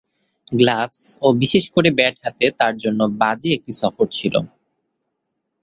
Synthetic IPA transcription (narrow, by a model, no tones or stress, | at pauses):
ɡlafsobiʃeʃkoɾebɛʈɦat̪et̪aɾd͡ʑonːobad͡ʑeek̚ʈisɔfoɾt͡ɕʰilo̰